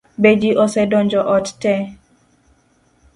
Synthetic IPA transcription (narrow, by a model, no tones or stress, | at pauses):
bed͡ʒiʔɔsɛdɔnd͡ʒɔʔɔttɛ